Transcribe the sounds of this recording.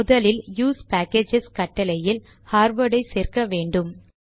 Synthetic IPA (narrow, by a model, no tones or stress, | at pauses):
ʊðɐlɪljuːspæːkeːd͡ʒɪskɐʈːɐlɐjɪl | haːɾʋɐɽɐɪseːrkɐʋeːɳɖɯm